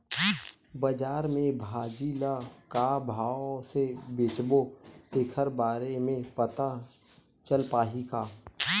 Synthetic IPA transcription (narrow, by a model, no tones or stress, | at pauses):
bəd͡ʒaːɾmẽbʱaːd͡ʒiːlakabʱaːwsebeːt͡ʃbot̪eːkʰəɾbaːɾemẽpət̪a | t͡ʃəlpaːɦiɡaː